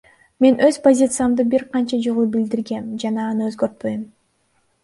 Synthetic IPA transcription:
me̞nʔøz̥pozʲit̪sɨjamd̪ɯbiɾqʰɑnt͡ʃɑd͡ʒolˠubild̪iɾɡe̞md͡ʒɑnɑːnɯø̞zɡø̞ɾt̪̚pø̞jom

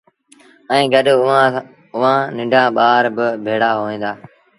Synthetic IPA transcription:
ɛ̃ːɡəɗ | ʊʋãːnɪ̃ɳɖʱãːɓaːɾbɪbʱeːɽaːɦoːʋẽːd̪aː

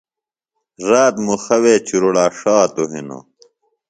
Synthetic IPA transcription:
ɾaːt̪muxɐweːt͡ɕuɾoɽaːʂaːt̪oɦino̰

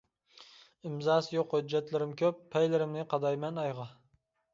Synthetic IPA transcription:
ɪmzɑːsjoqhʊd͡ʒːɛt̪lɪɾɪmkʲʰøpʰːɛjlɪɾɪmnɪqʰɑd̪ɑjmɛnɑjʁɑ

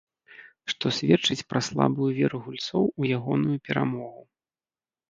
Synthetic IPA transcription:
ʂt̪ɔsʲvʲɛt͡ʂɨt͡sʲpɾʔaslˠa̰bujuvʲɛɾuɣulʲt̪sɔwujaɣɔnujupʲɛɾa̰mɔɣu

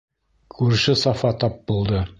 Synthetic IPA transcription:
kʰʉɾɘ̆ʃɘsɑfɑt̪ɑp̚bulˠd̪ɤ

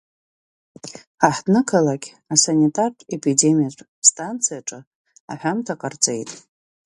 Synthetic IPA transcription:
aħdnɨkʰalakʲ | asanʲitʼarʼe̞pʰide̞mijaʈ͡ʂʼ | stʼant͡sʰijaʈ͡ʂʼɨ | a̰ħʷᶣamtʰaqʼart͡sʼejtʼ

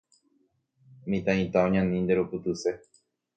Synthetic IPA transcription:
mĩt̪ãĩt̪aõɲãnĩnd̪eɾupɨt̪ɨse̞

